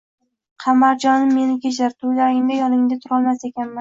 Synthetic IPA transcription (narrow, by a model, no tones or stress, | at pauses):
qʰɑmaɾd͡ʒɒnɪmːe̞nɪkʲʰet͡ʃaɾt̪ʰʊlaɾɪŋd̪ajɒlˠɪŋd̪at̪ʰʊɾɒlˠmase̞kʲanman